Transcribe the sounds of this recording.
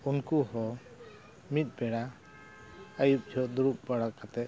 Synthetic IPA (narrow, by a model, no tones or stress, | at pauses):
unkuhɔ | mit̪̚ˀbɛɽa | əjup̚d͡ʒʱɔʔd̪uɾup̚baɽakat̪ɛʔ